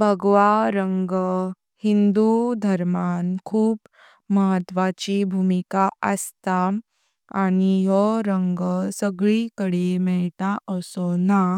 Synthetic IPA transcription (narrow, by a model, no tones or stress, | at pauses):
bʱəɡʋaɾəŋɡə | hind̪ud̪ʱəɾmankʰuːp | məɦət̪ʋat͡ɕibʱumikaə̰st̪a | aɽ̃ijɔɾəŋɡəsəɡɭikəɽimɛɭt̪aʔəsona